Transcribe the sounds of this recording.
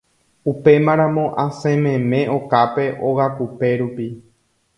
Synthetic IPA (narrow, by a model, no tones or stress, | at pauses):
upe̞mãɾ̃ãmõ̞ʔasẽmẽmẽ̞ʔokape̞ʔoɣakupe̞ɾupi